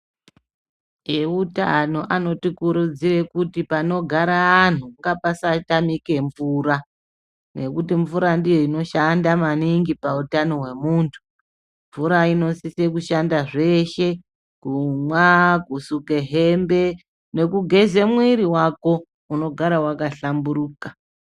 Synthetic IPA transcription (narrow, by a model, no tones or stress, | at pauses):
euta̰no̞ʔano̞tikuɾud͡zire̞kutipano̞ɡʱaɾaːn̤uŋɡapasatamike̞ɱvuɾa | ne̞kutiɱvuɾandijo̞ino̞ʃandamaniŋɡipautano̞ɦwe̞muːntʰu̥ | ɱvuɾaino̞sisek̬uʃandaʐe̞ʃe̞ | ɡ̥umwakusuke̞ɦe̞mbe̞ | ne̞kuɡʱe̞ze̞mwiɾiwako̞ | uno̞ɡʱaɾawakaɬambuɾuːka